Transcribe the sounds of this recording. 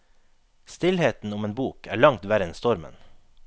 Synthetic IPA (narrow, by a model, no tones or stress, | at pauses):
st̪ɪlheːt̪n̩ʊmeːnbuːkʰæ̰ːɭɑŋt̪ʋæɾɛnst̪ɔɾmə̰n